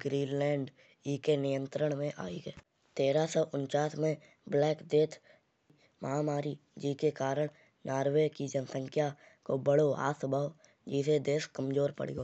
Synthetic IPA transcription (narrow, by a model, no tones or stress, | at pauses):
ɡɾiːnlɛ̃ːɳɖ | iːkenɪjə̃nt̪ɾəɽ̃mẽʔa̰ːiɡɛː | t̪eːɾasɔʔʊnt͡ʃaːsmẽ | blɛːkd̪eːt̪ʰ | məɦamaːɾid͡ʒikekaːɾəɽ̃ | njaːɾweːkid͡ʒənsə̃ŋkʰja | kobəɽoa̰ːsəbʱaːo | d͡ʒɪsed̪eːskəmd͡ʒoːɾpə̰ɽ̤ḭɡoː